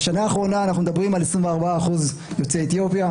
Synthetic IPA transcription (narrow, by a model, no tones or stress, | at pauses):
ʃanaːχʁo̞naːnaχnumd̪abʁimalesʁimveaʁbaːχuz | jo̞t͡seːt̪ijo̞pja